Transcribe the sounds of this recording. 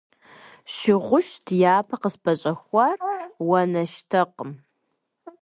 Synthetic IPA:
ʃɪʁʷʊʃtʰjaːpʰɐqəspʰɐɕʼɐxʷɑrwɐnɐʃtʰɐqəm

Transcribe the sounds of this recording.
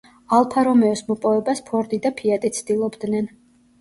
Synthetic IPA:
alˠpʰaɾɔmɛɔsmɔpʼɔvɛbaspʰɔɾd̪id̪apʰiat̪ʼit̪sʰd̪̥ilˠɔbd̪nɛn

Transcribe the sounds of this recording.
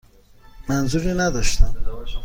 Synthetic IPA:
manzuɾinad̪ɔʃt̪am

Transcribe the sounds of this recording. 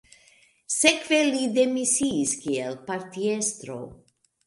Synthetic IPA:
sekvelid̪emisiːskielpaɾt̪iest̪ɾo̰

